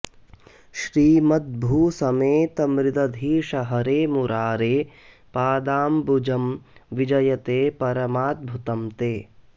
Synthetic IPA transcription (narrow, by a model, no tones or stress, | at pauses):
ʃɾiːmɐt̪̚bʱuːsɐmeːt̪ɐmɾɪd̪ɐd̪ʱiːʃɐɦɐɾeːmuɾaːɾeː | paːd̪aːmbud͡ʒɐmʋid͡ʒɐjɐt̪eːpɐɾɐmaːt̪̚bʱut̪ɐmt̪eː